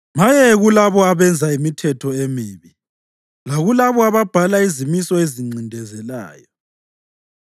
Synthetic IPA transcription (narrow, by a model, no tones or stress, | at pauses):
majɛɣulaβɔaβɛnd͡zʱaimitʰɛtʰɔemiːβi | laɣulaβɔaβab̥ʱalaizimisɔeziŋ͡ǀʱindʱɛzɛla̰ːjɔ